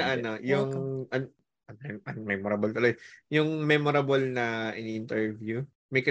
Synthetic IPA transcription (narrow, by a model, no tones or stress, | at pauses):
ɐʔɐnojʊŋʔɐn | nɛʔɐnmɛmoɾɐbolt̪ɐlɐjjʊŋmɛmoɾɐbolnɐʔɪnʔɪnt̪ɛɹvju | mɐjkɐ